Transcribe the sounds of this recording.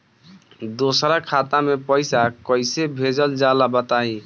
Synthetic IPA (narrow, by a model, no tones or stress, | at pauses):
d̪osɾakʰat̪amepəjsakʌjsebʱed͡ʒəld͡ʒalabət̪aĩ